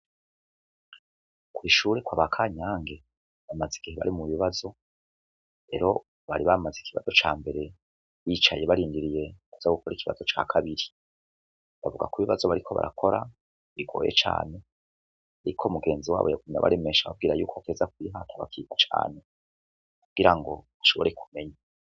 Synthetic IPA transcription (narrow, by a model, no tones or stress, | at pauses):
kwuiʃuːɾekwaβakʰaɲaːŋɡe̞ | βamaziɡ̥iheβa̰ɾimuβiβazo̞ | ɾe̞̰ɾo̞ | βaɾiβamazikʰiβa̰zo̞t͡ʃaːmbe̞ɾe̞ | βiːt͡ʃajeβaɾiːndiɾije̞kuz̥aɡukoɾikiβa̰zo̞t͡ʃaːkʰaβiɾi | βavuɡa̰kuiβiβazo̞βaɾikʰo̞βa̰ɾʔakʰo̞ɾa | βiɡo̞̰ːjḛt͡ʃa̰ːne̞ | aɾikʰo̞muɡe̞ːnziwa̰ːβojaɡuɲa̰βa̰ɾeme̞ʃaβa̰b̚ɡiːɾajuːkʰoate̞ːzakwiɦatʰaβakʰiːkat͡ʃa̰ːne̞ | kuɡ̥iɾaŋɡo̞ | aʃo̞βoɾe̞ku̥me̞ɲa